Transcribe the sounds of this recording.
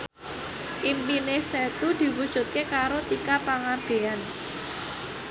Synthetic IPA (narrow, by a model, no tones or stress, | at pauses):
ʔimpineset̪ud̪̥i̤wud̥ʒ̥ṳt̪̚kekaɾot̪ikapaŋab̥e̤an